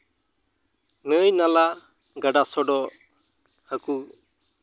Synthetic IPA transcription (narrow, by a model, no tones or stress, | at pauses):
nəjnala | ɡəɖasɔɖɔ | həku